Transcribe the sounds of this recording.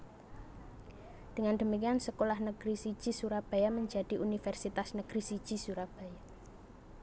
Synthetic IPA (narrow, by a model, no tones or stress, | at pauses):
d̪̥ə̤ŋand̪̥ə̤mikiansəkolahnəɡ̥ɾisid̥ʒ̥i̤suɾab̥ajaməɲd͡ʒa̤d̪̥i̤ʔunifɛrsit̪asnəɡ̥ɾisid̥ʒ̥i̤suɾab̥aja